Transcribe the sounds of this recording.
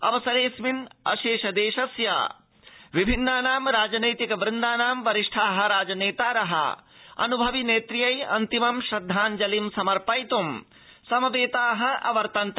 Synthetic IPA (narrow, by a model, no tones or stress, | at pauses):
ɐ̰ʋɐsɐɾeːsminɐ̰ʃeːʃɐd̪eːʃɐsja̰ | ʋibʱinːaːnaːmɾaːd͡ʒɐnɐjt̪ikɐbɾɪnd̪aːnaːmʋɐɾiʂʈʰaːɦɐ̆ɾaːd͡ʒɐneːt̪aːɾɐɦɐ̰ɐ̰nubʱɐʋineːt̪ɾijɐjɐ̰nt̪imɐmʃɾɐd̪ʱːaːnd͡ʒɐlimsɐmɐɾpɐjt̪um | sɐmɐʋeːt̪aːɦɐ̆ʔɐ̰ʋɐɾt̪ɐnt̪